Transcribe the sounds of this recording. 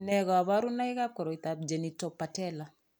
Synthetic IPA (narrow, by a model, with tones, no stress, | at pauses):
nɛɡɔ˨a˨ba˦ɾu˦na˦i˦ka˦p̚kɔ˨ɾɔ˨i˨tab̚d͡ʒe˨ni˨tɔ˨pːa˨tɛ˦la